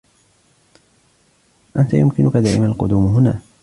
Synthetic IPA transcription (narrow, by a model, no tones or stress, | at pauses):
ʔant̪ajʊmkɪnʊkad̪aːʔɪmaalqʊd̪uːmɦʊna̰ː